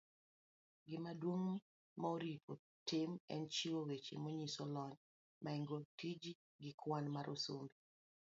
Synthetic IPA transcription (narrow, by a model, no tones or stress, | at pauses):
ɡɪmadwoŋ | maoɾipo | tɪmɛ̰nt͡ʃiwowet͡ʃḛmoɲisɔlɔɲ | mʔaiŋɡotid͡ʒi | ɡɪkwanmaɾʔosombi